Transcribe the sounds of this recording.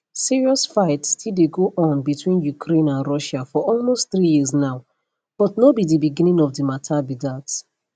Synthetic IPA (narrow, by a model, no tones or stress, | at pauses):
siɹiɔsfaɪtstʰildeɡoʔɔ̃nbitʰwĩnjukʰɾẽnãnɹɔʃafɔɔlmostθɹijiznaʊ | b̥ɔtnobidibiɡĩnĩŋɔfdimatʰabidat